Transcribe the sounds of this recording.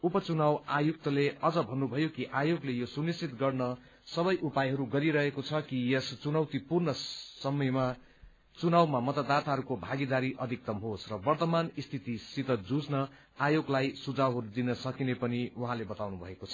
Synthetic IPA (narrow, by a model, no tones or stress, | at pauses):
upʌt͡sunawajuk̚t̪ʌleʌd͡zʌbʱʌnːubʱʌjokiʔajoɡlejosunist͡sit̪ɡʌrnʌ | sʌbʌjʔupajɦʌɾuɡʌɾiɾʌɦekot͡sʰʌkijest͡sunʌwt̪ipurnʌsʌmʌjma | t͡sunawmamʌt̪ʌd̪at̪aɦʌɾukobʱaɡid̪aɾiʔʌd̪ʱik̚t̪ʌmɦosrʌbʌrt̪ʌmanist̪ʰit̪isit̪ʌd͡zud͡znʌ | ajoɡlajsud͡zawɦʌɾud̪inʌsʌkinepʌniuɦãlebʌt̪awnubʱʌekot͡sʰʌ̥